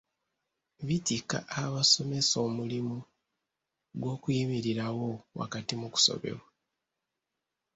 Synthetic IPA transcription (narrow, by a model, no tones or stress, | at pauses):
βitika̰ʔaβaso̞me̞so̞ːmulimu | ɡwo̞ːkujimiɾiɾawo̞wa̰katimuku̥so̞̰βe̞̰βwa